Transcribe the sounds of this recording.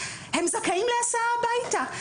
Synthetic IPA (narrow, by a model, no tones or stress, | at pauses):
hɛmzakaimlɛasabajta